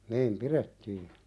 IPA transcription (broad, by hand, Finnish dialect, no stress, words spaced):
niːm piɾetːiː